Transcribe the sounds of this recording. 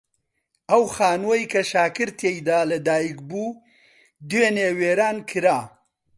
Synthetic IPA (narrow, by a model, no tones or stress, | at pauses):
ʔɐwxaːnwɐjkʰɐʃaːkɨɾt̪ʰejd̪aːlɐd̪aːjik̚buː | d̪weneːweːɾaːnkʰɨɾaː